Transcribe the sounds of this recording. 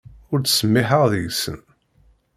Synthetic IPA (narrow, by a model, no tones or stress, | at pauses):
ʊɾt͡sːsəmːɪħəʁðjisə̰n